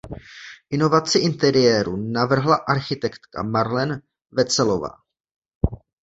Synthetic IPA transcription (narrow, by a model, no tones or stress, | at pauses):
ʔɪno̞vat͡sɪʔɪnt̪ɛɾɪjɛːɾunavr̩ɦlaʔaɾxɪt̪ɛkt̪ka̰maɾlɛn | vɛt͡sɛlo̞va̰ː